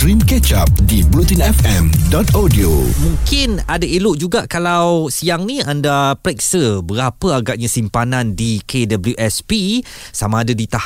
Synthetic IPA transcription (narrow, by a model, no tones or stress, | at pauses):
tɾimkɛt͡ʃap̚dibɾut̪inɛfɛmdɔt̪adiomũŋkɪnadaelʊʔd͡ʒuɡaʔkalawsiaŋnĩandapɾɛk̚səbəɾapəaɡaʔ̚ɲãsimpanãndikedabljuʔɛspisamãːdadit̪ah